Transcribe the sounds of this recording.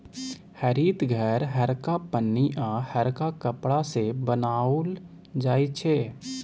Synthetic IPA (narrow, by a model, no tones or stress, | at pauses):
həɾiːt̪ɡʱɛːɾɦəɾkapənːiʔãhəɾkakəpɽasebənaːl | d͡ʒaːit͡ʃʰeː